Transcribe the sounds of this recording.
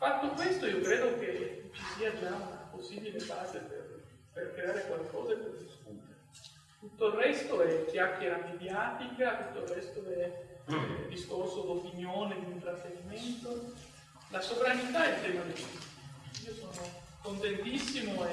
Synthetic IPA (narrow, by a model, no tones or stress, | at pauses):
fat̪ːokwest̪oiːokɾeːd̪oket͡ʃisiːad͡ʒaunaposːiːbilebaːzepḛr | perkɾeaːɾekwalkkɔ̰ːzekod̪iskṵt̪e | t̪ut̪ːoilrrɛst̪oɛkːjakːjeɾamed̪jaːt̪ikat̪ut̪ːoilrrɛst̪oɛ | d̪iskorsod̪opinjoːned̪iint̪ɾat̪ːeɾiment̪o | lasovɾanit̪aɛpjeːnad̪ekist̪iiːosoːno | kont̪ent̪isːimoɛ